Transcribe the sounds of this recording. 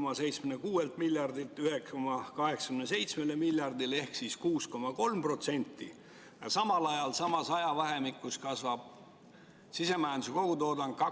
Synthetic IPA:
mɑse̞jt̪smenekuːe̞lt̪ˑmilʲjɑrd̪ilt̪ːˑyhekskomɑkɑɦe̞ksɑ̥kymnese̞jt̪sme̞lemiljɑrd̪ile̞hksiskuːsko̞mɑko̞lmpro̞t̪se̞nʲt̪ːi | jɑsɑmɑlɑjɑlsɑmɑsɑjɑvɑɦe̞mikːˑuskɑsvɑb̥̚ | sise̞mæjænd̪suko̞ɡ̥ut̪o̞ːd̪ɑn̥̚kɑ

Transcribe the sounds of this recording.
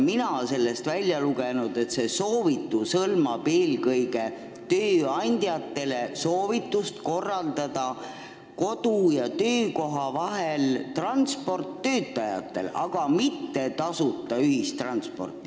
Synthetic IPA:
minɑse̞lːe̞st̪vælʲjɑluɡenud̪̥e̞t̪se̞so̞ːvit̪ːˑusɤlmɑb̥e̞ːlkɤjɡe̞ | t̪øːɑnʲd̪̥jɑt̪ːe̞le̞so̞ːvit̪ːˑust̪ko̞rːɑld̪ɑd̪̥ɑ | ko̞d̪̥ujɑt̪ø̞ːko̞ɦɑvɑɦelt̪rɑnspo̞rt̪ːø̞ːt̪ːˑɑjɑ̰t̪ˑːe̞̰lɑ̰ɡ̥ɑmit̪ːe̞t̪ɑsut̪ːˑɑyɦist̪ːrɑnt̪spo̞̰rt̪ːˑi

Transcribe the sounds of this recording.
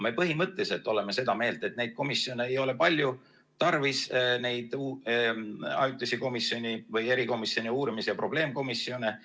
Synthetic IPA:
me̞pɤɦimɤt̪ːˑeise̞lt̪ːˑo̞le̞me̞se̞d̪̥ɑme̞ːld̪e̞t̪̚ˑne̞jd̪̥̚ko̞misio̞neejo̞le̞pɑlʲju | t̪ɑrvisne̞jd̪̥u | ɑ̰jut̪ʲˑːesiko̞misːio̞nivɯje̞ɾiko̞misio̞niuːɾimisejɑpro̞b̥le̞ːmko̞misːo̞ne

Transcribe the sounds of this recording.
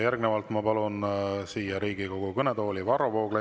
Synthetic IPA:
jærɡnevɑlt̪mɑpɑlunsiːjɑɾiːɡiko̞ɡ̥ukɤned̪o̞ːlʲivɑɾovo̞ːɡ̥le

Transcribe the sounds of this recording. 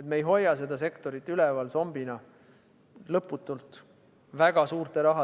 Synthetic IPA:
et̪mejɦo̞jːɑse̞d̪̥ɑse̞kt̪o̞ɾit̪ːˑylɛvɑlso̞mbinɑ | lɤpːˑut̪ːˑult̪ | væɡ̥ɑsuːrt̪e̞ɾɑɦɑ

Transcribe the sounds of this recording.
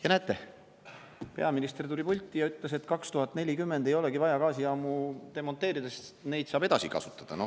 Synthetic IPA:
jɑnæt̪ːˑe̞ | pe̞ɑminist̪ert̪ulʲipulʲt̪ˑːijɑyt̪ˑlese̞t̪ːˑkɑkst̪uhɑt̪ːˑne̞lʲikymːe̞nd̪e̞jo̞le̞ɡivɑjɑkɑːsiɑːmut̪e̞mo̞nt̪ːˑe̞ːɾid̪̥esne̞jd̪̥sɑːbe̞d̪̥ɑsikɑ̰su̥t̪ːˑɑ̥d̪̥ɑno

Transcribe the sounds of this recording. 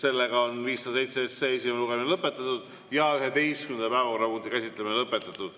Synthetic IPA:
se̞lːe̞ɡ̥ɑonviːstːɑse̞jt̪seesːees̬imeluɡ̥eminlɤpˑːe̞t̪ːˑɑt̪ud̪̥ | jɑyɦed̪e̞jstkymend̪ɑpæevɑko̞rɑpunt̪ikæsʲit̪ːˑleminelɤpːˑe̞t̪ːˑɑt̪ːˑud̪̥

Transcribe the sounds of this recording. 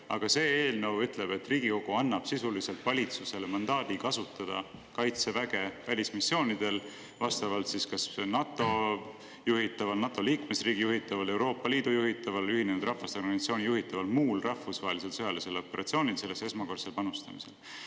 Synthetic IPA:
ɑɡ̥ɑse̞ːeːlnəwyt̪ˑle̞b̥e̞t̪ːriːɡ̥iko̞ɡ̥uɑnːɑb̥sisulise̞lt̪vɑlʲit̪suse̞lemɑnd̪ɑːd̪̥ikɑsut̪ːˑɑd̪̥ɑ̰kɑjt̪se̞væɡ̥e̞vælʲismisːjo̞ːnid̪̥e̞l | vɑst̪ɑvɑlt̪siskɑsnɑt̪ˑːo̞ | juɦit̪ːˑɑvɑlnɑt̪ːˑo̞liːkme̞sriːɡ̥ijuɦit̪ːˑɑvɑle̞wɾo̞ːpːˑɑliːd̪̥ujuɦit̪ˑːɑvɑlyɦinenud̪rɑfvɑst̪erɡɑnit̪sioːnʲijuɦit̪ːˑɑvɑlmuːlrɑhfusvɑːelise̞lsɤjɑlise̞lo̞pːe̞ɾɑt̪sioːnilse̞lːe̞se̞smɑko̞rselpɑnust̪ɑmise̞̰l

